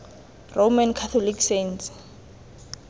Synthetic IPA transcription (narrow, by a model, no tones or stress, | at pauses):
rʔomankʰat̪ʰɔlikʰsents